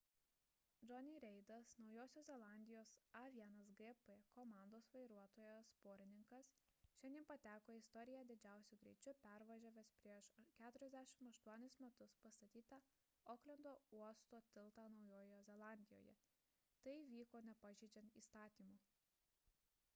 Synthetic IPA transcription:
d͡ʒɔnʲiɾʲɛɪd̪ɐsnɒʊjoːsʲoːzʲɛlˠɑˑnʲd̪ʲɪjoːsɐʋʲiɛnɐs̬ɡɛpɛkɔmɑˑnd̪oːsʋɐɪɾuɔt̪oːjɛspoːɾʲɪnʲɪŋkɐsʃʲɛnʲinpɐt̪ʲæːkoːɪst̪ɔɾʲɪjæd̪ʲɪd͡ʒʲæˑʊsʲʊɡɾʲɛɪt͡ʃʲʊpʲæˑɾʋɐʒʲoːʋʲespʲɾʲiɛʃkʲæːt̪ʊɾʲɛzʲd̪ʲæʃʲɪmɐʃt̪uɔnʲɪsmʲɛt̪ʊspɐst̪ɐt̪ʲiːt̪ɑ | oːklʲɛnd̪oːuɔst̪oːt̪ʲɪlˠt̪ɑnɒʊjoːjzʲɛlˠɑˑnʲd̪ʲɪjo̰ːjɛ̰ | t̪ɐɪʋʲiːkoːnʲɛpɑʒʲɛɪd͡ʒʲɛnt̪ḭːst̪ɑːt̪ʲiːmu

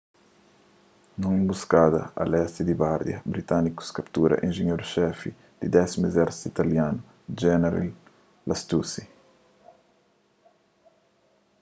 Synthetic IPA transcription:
nũŋimbuskad̪ɐ̰a̰lɛst̪id̪iɡaɾd̪jɐ̰bɾit̪aniku̥skapt̪uɾɐ̰ʔinʒeɲoɾʃɛfi | d̪̥id̪ɛsimezɛɾsi̥t̪it̪aljanu | d͡ʒɛneɾḭl | last̪usi

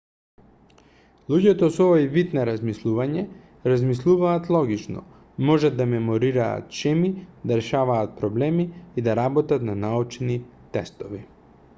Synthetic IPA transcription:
lˠuɟɛt̪ɔsɔvojvit̪naɾazmislˠuvaɲɛ | ɾazmislˠuvaːt̪lˠɔɡit͡ʃnɔ̰ | mɔʒad̪ːamɛmoɾiɾa̰ːt̪ʃɛmid̪aɾɛʃavaːt̪̚pɾɔblɛmiːd̪aɾabɔt̪at̪nanaut͡ʃni | t̪ɛst̪ɔvi

